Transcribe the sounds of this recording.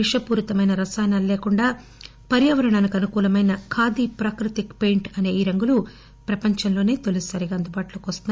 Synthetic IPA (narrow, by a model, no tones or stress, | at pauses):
iʂɐpuːɾut̪ɐmɐjnɐɾɐsaːnalleːkuɳɖaː | pɐɾjɐʋɐɾɐɳɐːnikɐnukuːlɐmɐjnɐkʰaːd̪ipɾaːkɾut̪ikpe̞jɳʈɐne̞ːiːɾɐŋɡulu | pɾɐpɐɲt͡ʃɐnlo̞ːne̞ːt̪olissɐɾiɡaːɐnd̪ubaːʈuloːkiʋɐst̪un